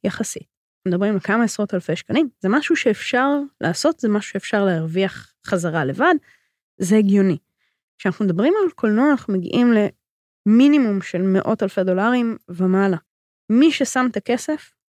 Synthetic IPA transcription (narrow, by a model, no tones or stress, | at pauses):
jaχasḭt̚ | nanumed̪abʁimlekamaesʁo̞thalfe̞ʃkanimzemaʃuʃe̞ːfʃaʁlʔa̰ːso̞tzemaʃu̥ʃeefʃaʁlehaʁviaχ | χazaʁale̞vad | zeiɡjo̞ni | kʃeanaχnumed̪ɐbʁimalkʰo̞lnoaχumeɡḭʔimle̞ | minimumʃe̞lme̞ʔo̞talfedo̞laʁimvemala | miʃesamt̪ake̞se̞f